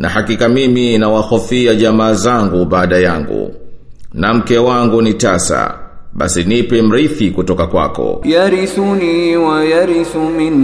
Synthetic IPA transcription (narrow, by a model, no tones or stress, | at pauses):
nahakikamiminawaxɔfiaʄamaːzaŋɡuɓaːɗajaŋɡṵ | nam̩kɛwaŋɡunitasa̰ɓa̰sinipɛm̩ɾiθikutɔkakwa̰kɔ̰jaɾisuniwajaɾisumin